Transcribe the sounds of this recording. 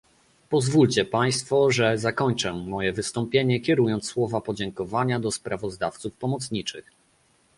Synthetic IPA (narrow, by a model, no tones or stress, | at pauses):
pɔzvult͡ɕɛpaj̃st̪fɔʐɛzakɔɲt͡ʂɛmɔjɛvɘst̪ɔmpʲjeɲɛkʲjɛɾujɔnt̪sswɔvapɔd͡ʑɛŋkɔvaɲad̪ɔspɾʔavɔzd̪aft̪sufpɔmɔt̪sɲit͡ʂɘ̰x